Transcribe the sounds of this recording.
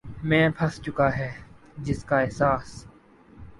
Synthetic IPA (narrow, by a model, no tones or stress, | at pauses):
mɛ̃ːpʰɐst͡ʃʊkaːɦɛː | d͡ʒɪskaːɛɦsaːs